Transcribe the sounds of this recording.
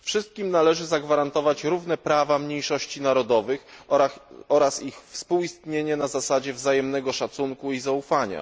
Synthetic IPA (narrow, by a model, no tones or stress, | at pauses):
fʂɘst̪̚kʲimnalɛʐɘzaɡvaɾant̪ɔvat͡ɕɾuvn̪ɛpɾavamɲejʂɔɕt͡ɕinaɾɔd̪ɔvɘx | ɔɾasixfspuwist̪ɲeɲɛnazasad͡ʑɛvzajɛmnɛɡɔʂat̪suŋkuizaufaɲa̰